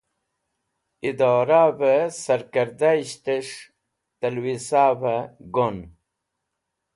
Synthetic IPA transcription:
id̪aːɾaːbəsɐɾkɐɾd̪aiɕt̪əʂ | t̪ɐlwisaːvəɡon

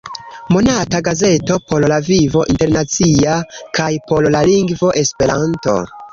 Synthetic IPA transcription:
mo̞nataɡaze̞to̞po̞llavivo̞ʔinte̞ɾnat͡siakʰajpo̞llaliŋɡvo̞ʔe̞spe̞ɾanto̞̰

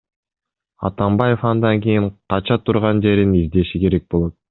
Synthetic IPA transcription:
ɑ̰t̪ɑmbɑje̞fɑnd̪ɑŋkijiɴqʰɑt͡ʃɑt̪ʰuɾʁɑnd͡ʒe̞ɾinizd̪e̞ʃike̞ɾe̞k̚bo̞lˠo̞t̪̚

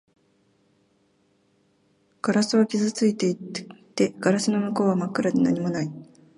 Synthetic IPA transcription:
ɡ̥aɾasɨβakʲizɨt͡sɨit̪e̞it̪ːe̞ɡ̥aɾasɨno̞mɯ̟ko̞ːβamakɯ̟ɾad̪e̞na̰ɲ̟imo̞nai

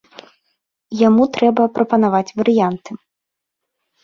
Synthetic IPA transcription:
jamut̪ɾɛbɐpɾɐpɐnavat͡sʲvɐɾɨjant̪ɨ

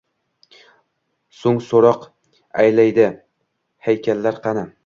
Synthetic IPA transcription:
sʊŋsoɾɒq | ajlajd̪ɪ | hajkʲʰalːaɾqʰɑna

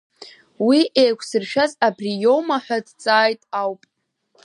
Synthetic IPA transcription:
wiʔejkʷʰsɨrʃᶣazabrijo̞wmaħʷᶣadt͡sʼaːjtʼawpʼ

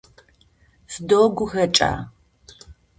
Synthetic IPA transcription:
fdoːɡʷʊxɐt͡ʃʼa̰ː

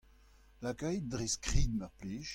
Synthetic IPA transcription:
lakœjd̪ʁeskχiːd̪̚mœʁpleːʒ

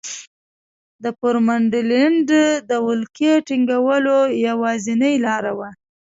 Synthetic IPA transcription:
d̪əpʊɾmaɳɖɪlɪɳɖd̪əwʊlkeʈiŋɡawəlojawɑzɪnəjlɑɾawa

